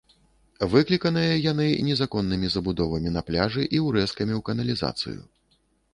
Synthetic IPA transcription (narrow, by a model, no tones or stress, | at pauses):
vɨklʲikɐnɨjɐjan̪ɨnʲɛzakɔnːɨmʲizɐbud̪ɔvɐmʲinɐplʲaʐɨʔiwɾɛskɐmʲiwkɐnɐlʲiza̰t̪sɨ̰jṵ